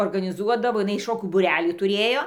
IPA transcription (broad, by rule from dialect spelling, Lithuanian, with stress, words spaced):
oːrɡɐnʲɪˈzuɔdɐʋoː ɪˈnɐɪ ˈʃoːkʲuː buːˈrʲæːlʲiː tʊˈrʲeːjoː